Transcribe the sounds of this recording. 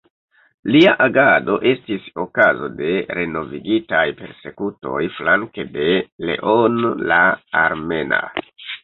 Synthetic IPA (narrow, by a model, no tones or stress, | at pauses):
liaʔaɡado̞ʔe̞stiso̞kazo̞de̞ɾe̞no̞viɡitajpe̞ɾse̞kuto̞jflaŋke̞de̞le̞̰ʔonlaaɾme̞na̰